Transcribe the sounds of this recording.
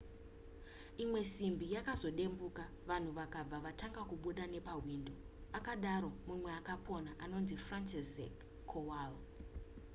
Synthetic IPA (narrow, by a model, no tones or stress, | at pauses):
imwe̞simbijakazo̞ɗe̞mbuka | ʋan̤uʋakab͡vaʋataŋɡakuɓuɗane̞paɦwindo̞ | akaɗaɾo̞mumweakapʰo̞naʔano̞nzifrant͡ʃesḛkʰː | owal